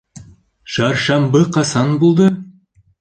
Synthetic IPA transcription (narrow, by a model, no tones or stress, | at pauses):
ʃɑɾʃɑmbɤqɑsɑnbulˠd̪ɤ